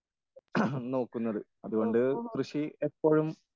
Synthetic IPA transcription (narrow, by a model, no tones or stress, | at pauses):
no̞ːkːunːɐðɨ | ɐðuɣo̞ɳɖɨkrɨɕiepːoːɻum